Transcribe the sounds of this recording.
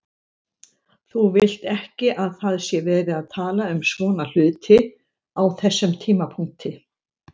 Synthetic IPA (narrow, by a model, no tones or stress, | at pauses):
θuvɪl̥t̪ɛhcɪʔaðθaðsjɛvɛːɾɪaðt̪ʰaːlaʏmsvɔːnal̥ʏːt̪ʰɪ | awθɛsːʏmt̪ʰiːmapʰuŋt̪ɪ